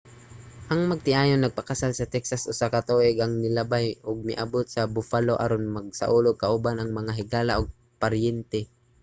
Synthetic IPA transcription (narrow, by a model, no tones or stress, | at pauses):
hɐŋmɐɡ̚t̪ɪʔaːjonːɐɡ̚pɐkɐsalsɐt̪ɛksasʔʊsakat̪oʔɪɡɐŋnɪlabajʊɡ̚mɪʔabot̪̚sɐbʊfaloʔa̰ɾonmɐɡ̚sa̰ʔuːlokaʔʊbanɐŋmɐŋaɦɪɡaːlaʔʊɡ̚ | paɾjɛnt̪ɛ